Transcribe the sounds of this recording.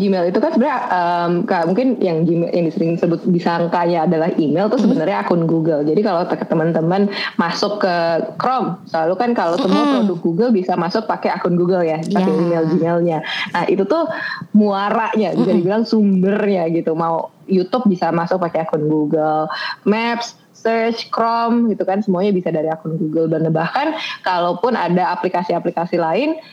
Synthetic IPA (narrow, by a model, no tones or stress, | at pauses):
d͡ʒimɛlit̪ukansəbənaʔəmkamuŋkɪnjaŋd͡ʒimjaŋdisəɾɪŋsəbʊt̪̚bisaŋkaɲaːdalahimelt̪ʊhsəbənərɲaːkʊnɡuɡəld͡ʒadikalot̪əkət̪əmənt̪əmənmasʊkːəkɾɔmsəlalukankalot̪əmənmaudʊk̚ɡuɡəlbisamasʊk̚pakeakʊnɡuɡəljapakɛimeld͡ʒimelɲanahḭt̪ut̪ʊhmuaɾaʔɲad͡ʒuɡadibilaŋsumbərɲaɡit̪umau | jut̪ʊp̚bisamasʊk̚pakeakʊnɡuɡəlmɛpsː | ərt͡ʃkɾɔmɡit̪ukansəmuaɲabisadaɾiakʊnɡuɡəlbanəbahkankalowpʊnadaaplikasiaplikasilaɪn